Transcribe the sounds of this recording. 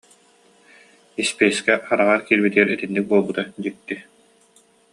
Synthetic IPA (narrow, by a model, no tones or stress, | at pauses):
ispɛjskɛχaɾaʁaɾkiːɾbit̪iɛɾit̪inːik̚buɔlˠbut̪ad͡ʑik̚t̪i